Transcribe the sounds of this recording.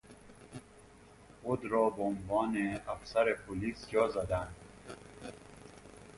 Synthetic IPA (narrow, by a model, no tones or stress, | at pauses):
od̪ɾɔːbonvɒːneafsæɾepʰoliːsd͡ʒɒːzæd̪ænd̪